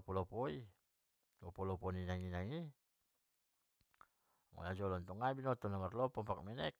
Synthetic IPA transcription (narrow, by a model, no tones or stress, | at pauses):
pɔlɔpɔi | ŋɔpɔlɔpɔninaŋinaŋi | ŋɔ̰nad͡ʒɔlɔnt̪ɔŋabinɔt̪ɔnamarlɔpɔmpak̚mɛnɛk̚